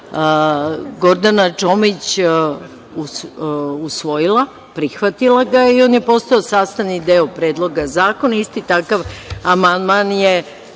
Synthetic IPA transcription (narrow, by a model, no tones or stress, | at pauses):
ɡo̞ɾd̪anat͡ʃo̞mit͡ɕ | u | usʋo̞jilˠa | pɾixʋat̪ilˠaɡaio̞ːnjepo̞st̪aosaːst̪anid̪eopɾe̞ːd̪lˠo̞ɡazaːko̞naist̪it̪akaʋamand̪manje